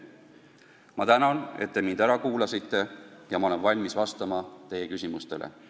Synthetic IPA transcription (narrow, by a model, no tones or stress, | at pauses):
mɑt̪ænɑne̞̰t̪̚ːe̞mind̪æɾɑkuːlɑsit̪ːˑe̞jɑmɑo̞lenvɑlʲmisvɑst̪ɑmɑt̪e̞je̞kysʲimust̪e̞lʔḛ